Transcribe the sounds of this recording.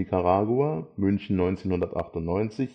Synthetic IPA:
ikʰaʁaːɡuaːmʏnçn̩nɔʏnt͡seːnhʊndɐtʔa̰χtʊntnɔʏnt͡sɪç

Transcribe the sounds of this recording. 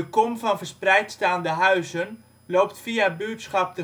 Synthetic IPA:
əkomvɔnvərsprɛjtstaːndəɦœɥzən | loːptfiabyətsχɑp̚tə

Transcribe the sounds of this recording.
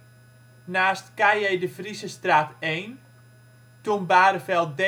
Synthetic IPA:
naːstkajɛjdəfrisəstraːteːn | tumbaːɾəfɛl̚ˠdɛ

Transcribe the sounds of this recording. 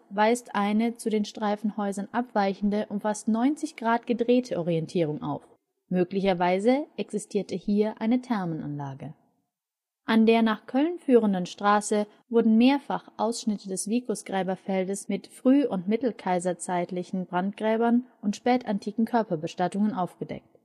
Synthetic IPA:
vaɪstʔaɪnət͡sudeːnʃtʁ̥aɪfn̩hɔʏzɐnʔapv̥aɪçn̩dəʔʊmfastnɔʏnt͡sɪçɡ̥ʁaːt̚ɡ̥ədʁeːtʰəʔɔʁ̞iɛntʰiːʁʊŋʔa̰ʊf | møːklɪçɐvaɪzəʔɛksɪstʰiːɐtʰəhiːɐʔaɪnətʰɛɐmənʔa̰nlaːɡə | ʔandeːɐnaːχkʰœlnfyːʁ̞əndənʃtʁ̥aːsə | vʊɐdn̩meːɐfaχʔaʊsʃnɪtədɛsv̥iːkʁʊsɡ̥ʁɛːbɐfɛldəsmɪtfʁ̥yːʊntmɪtl̩kʰaɪzɐt͡saɪtlɪçn̩bʁant̚ɡ̥ʁɛːbɐnʔʊntʃpɛːtantʰiːkŋ̩kʰœɐpɐbəʃtatʊŋənʔaʊfɡ̥ədɛ̰k̚t

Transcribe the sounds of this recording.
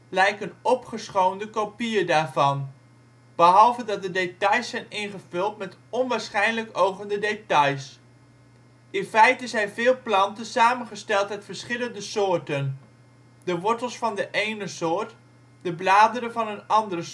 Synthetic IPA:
lɛjkənɔpχəsχowndəkopiədaːɹvɑn | b̥əɦɑlˠvədɑt̚dədetɑjsɛjnɪnχəvɵlˠtmɛtɔnʋaːɹsχɛjnləkowχəndədetɑjs | ʔɪnfɛjtəɪsɛjvɪːlˠplɑntənsaːmənχəstɛlˠtmɛtfəɹsχɪləndəsʊːɹtən | d̥əʋɔɹtəlˠsfɑndəʔejnəsʊːɹt | d̥əblaːdəɾəvɑnənɑndərə

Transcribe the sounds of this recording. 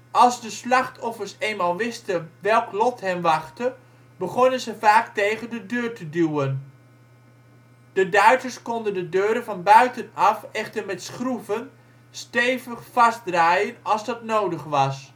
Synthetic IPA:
ɑlˠzdəslɑχtʰɔfərsejnmaːlˠʋɪstəʋɛlˠklɔtɦɛmʋɑχtə | bəχɔnənzəvaːktejχəndədøːrtəduwən | d̥ədœɥtərskɔndəndədøːɾənvɑnbœɥtənɑfɛχtərmɛtsχruvən | stejvəχfɑsdraːjənɑlˠzdɑtnowdəχʋɑs

